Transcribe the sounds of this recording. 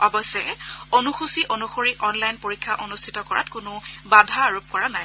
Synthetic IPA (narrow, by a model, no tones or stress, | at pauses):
ɔbɔsːɛonuxusiʔonuxoɹiʔɔnlajnpoɹikʰːaʔonustʰitɔkɔɹa̰tkʊnʊbadʱaːɹup̚kɔɹanaj